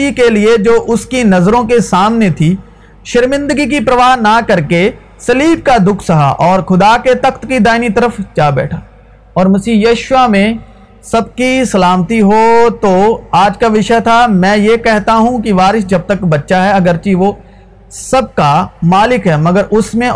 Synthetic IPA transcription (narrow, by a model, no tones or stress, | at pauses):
ikelied͡ʒoːʔʊskinɐzɾõkesaːmnet̪ʰi | ʃɪɾmɪ̃nd̪əɡik̬ipɾɐʋaːɦnakɐɾke | sɐliːb̚kad̪ʊkʰsɐɦa̰ʔɔːɾxʊd̪aket̪ɐkt̪kid̪aːɪnit̪ɐɾəfd͡ʒaːbɛ̰ːʈʰaː | ɔːɾmɐsiːjɐːʃʋamẽ | sɐb̚kisɐlaːmt̪iɦot̪oaːd͡ʒkaʋɪʃət̪ʰamɛ̃ːjekɛɦt̪aɦũkiʋaːɾɪʃd͡ʒɐb̚t̪ɐkbɐtːʃaɦɛɐɡəɾt͡ʃiʋo | sɐb̚kamaːlɪkɦɛːmɐɡəɾʊsmẽ